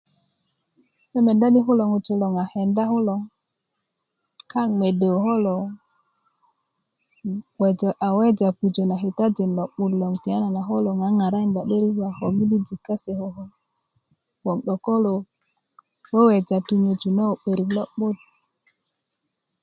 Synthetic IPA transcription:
me˦me˨da˦ni˦ɦu˦lo˨ŋu˨t͡ʃu˨lɔ˨ŋa˨hɛ˨nda˦hu˦lɔ˨ŋ | ka˦ŋme˨de˨ɦo˦lɔ˨ | we˨d͡ʒʔa˨we˦d͡ʒa˨pu˨d͡ʒo˨na˨ɦi˨ta˦d͡ʒi˨nlɔ˨ɓu˦˨dlɔ˨ŋti˨a˦na˨na˨ɦo˦lo˨ŋa˨˦ŋa˨ɾa˦nda˨ɓe˦ɾi˦kwa˨ho˨mi˦li˦d͡ʒi˨ka˦se˨ho˨ɦɔ˦ | wɔ˨ŋɗɔ˨ko˦lo˨ | we˦we˨d͡ʒa˨tu˨ɲo˨d͡ʒu˨na˦o˨ɓe˨ɾi˨klɔ˦ɓo˦d̚

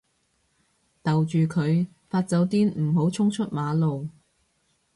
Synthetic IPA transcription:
t̪ɐ˨wt͡ʃyː˨kʰɵ˨˧ɥ | faː˧t̚t͡sɐ˨˧˥wt̪iː˥nm̩˨˩ɦo˨˥wt͡sʰʊ˥ŋt͡ʃʰɵ˥t̚maː˨˧lo˨w

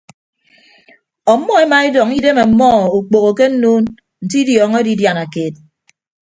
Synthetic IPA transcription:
ɔ˨˦mːɔ˦e˦ma˨i˦dɔ˨ŋi˦de˦me˨m̩˦mɔ˦˨u˨k͡po˨ɣo˨ke˦n̩˦noː˦n | n̩˨ti˦djɔː˨˦ŋe˦di˦dja˨na˨ke˨t̚

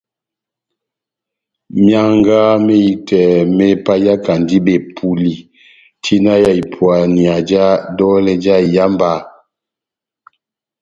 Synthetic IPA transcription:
mja˦ŋɡa˦me˦i˦tɛ˨mɛ˦pa˦ja˦ka˨ndi˦bɛ˨pʰu˨li˨ | tʰi˦na˦ja˦i˨pʰwa˨ni˨a˨d͡ʒa˦dɔ˦lɛ˦d͡ʒa˦˨ja˦mba˦˨

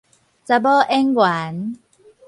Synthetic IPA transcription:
t͡sa˧bɔ˦ʔɛ˦ŋwa˨˦n

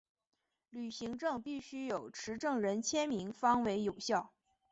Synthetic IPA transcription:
ly˨˩ɕi˧˥ŋʈ͡ʂɤ˥˧ŋpi˥˩ɕy˥jo˨˩ʊʈ͡ʂʰɻ̩˧˥ʈ͡ʂɤ˥˩ŋɻə˧˥nt͡ɕʰjɛ˥nmi˧˥ŋfɑ˥ŋwe˧˥ɪjo˨˩ʊɕjɑ˥˩ʊ

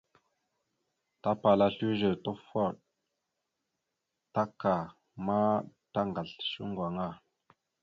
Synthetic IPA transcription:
ta˦pa˨la˨ɬu˦ʒə˨to˦fo˦˨ɗ̚ | ta˦ka˨ | ma˦ta˦ŋɡa˨ɬʃu˦ŋɡwa˨ŋa˦˨

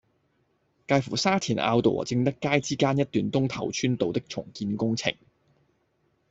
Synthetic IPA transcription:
kaː˧jfṵ˨˩saː˥t̪ʰiː˨˩na̰ː˧wt̪o̰˨˩˨t͡sɪ˧ŋt̪ɐ˥kːaː˥jt͡siː˥kaː˥njɐ˥t̚t̪yː˨nt̪ʊ˥ŋt̪ʰɐ˨˩wt͡ʃʰyː˥nt̪o˨wt̪ɪ˥k̚t͡sʰʊ˨˩ŋkiː˧nkʊ˥ŋt͡sʰɪ̰˨˩ŋ

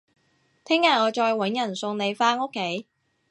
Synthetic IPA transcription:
t̪ʰɪ˥ŋaː˨˧ŋɔː˨˧t͡ʃɔː˧jwɐ˨˧˥njɐ˨˩nsʊ˧ŋne˨˧jfaː˥no˥kʰːe˨˥j

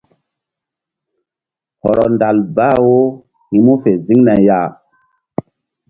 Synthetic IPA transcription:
hɔ˨ɾɔ˨nda˨lba˦wo˦ | hi˧mu˦fe˨zi˦ŋna˨ja˦˨

